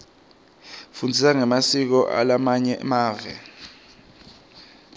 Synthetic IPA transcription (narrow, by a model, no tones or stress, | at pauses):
fundʱisaŋɛmasik̬ɔʔa̰lamaɲɛmaːvɛ̰